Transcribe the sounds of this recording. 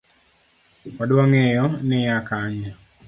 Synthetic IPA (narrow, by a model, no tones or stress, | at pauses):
kadwaŋɛjɔnɛjakaɲa